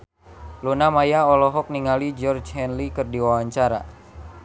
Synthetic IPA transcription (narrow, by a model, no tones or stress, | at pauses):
lunamajaɔlɔɦɔk̚niŋalid͡ʒɔrd͡ʒhɛnlikərdiwawaɲt͡ʃaɾa